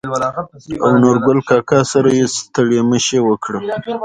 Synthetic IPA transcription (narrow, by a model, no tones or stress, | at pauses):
a̰wnoɾɡʊlkɑkɑsaɾajest̪aɽeməʃewəkɽə